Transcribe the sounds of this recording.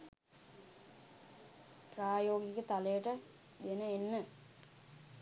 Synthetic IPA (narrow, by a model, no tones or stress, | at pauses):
praːjoːɡikət̪aləjəʈə | d̪enəenːə